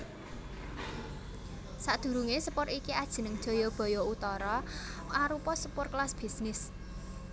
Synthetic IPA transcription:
saʔd̪̥ṳɾuŋesəpʊrikiad̥ʒ̥ə̤nəŋd̥ʒ̥ɔ̤jɔb̥ɔ̤jɔut̪ɔɾɔʔaɾupɔsəpʊrklasb̥i̤snɪs

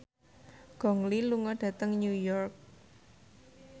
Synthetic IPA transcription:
ɡ̥ɔ̤ŋliluŋɔɖ̥ä̤t̪əŋɲujɔrk̚

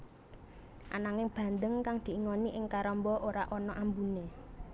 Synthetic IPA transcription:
ʔa̰naŋɪŋb̥ä̤nd̪əŋkaŋd̪̥i̤iŋɔniʔɪŋkaɾɔmbɔʔoɾaʔɔnɔʔambune

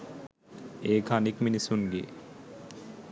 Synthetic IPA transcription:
eːkʰanikminisunɡḛː

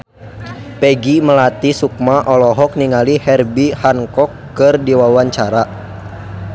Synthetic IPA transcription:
pɛɡiməlat̪isuk̚maʔɔlɔɦɔk̚niŋalihɛrbihaŋkɔkːɨrdiwawaɲt͡ʃaɾa

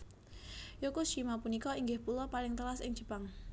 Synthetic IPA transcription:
jokuʃimapunikɔiŋɡɪhpulɔpalɪŋt̪əlasɪ̰ŋd͡ʒ̥ʒ̥əpaŋ

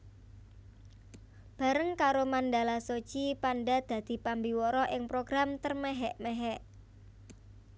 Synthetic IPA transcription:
b̥a̤ɾəŋkaɾomanɖalaso̥t͡ʃipanɖad̪̥a̤d̪̥i̤pambiwɔɾɔʔɪŋpɾoɡ̥ɾamt̪ərmeɦɛʔmeɦɛʔ

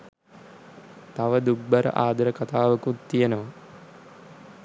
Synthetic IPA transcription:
t̪aʋəd̪uɡ̚bɐɾə̰ʔaːd̪ɐɾəkat̪aːʋəkut̪ːijenəʋɐ

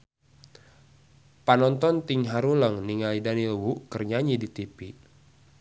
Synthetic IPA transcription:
panɔnt̪ɔnt̪iŋɦaɾuləŋniŋalidanilwuʔkərɲaɲidit̪ipi

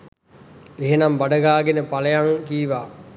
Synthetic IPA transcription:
eɦenambaɖəɡaːɡenəpaləjaŋkiːʋaː

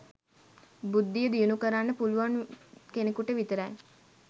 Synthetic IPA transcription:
bud̪ːijəd̪ijunukəɾanːəpuluʋankenekuʈəʋit̪əɾaj

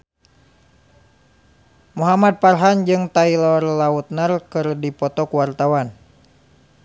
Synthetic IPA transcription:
muɦamad̪̚parɦand͡ʒɨŋt̪ailɔrlaut̪̚nərkɨrdipɔt̪ɔkuwart̪awan

